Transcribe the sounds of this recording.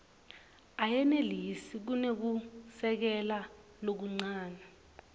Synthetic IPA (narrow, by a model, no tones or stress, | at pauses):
ajɛnelisik̬unek̬usɛk̬ɛla | lok̬uŋ͡ǀaːna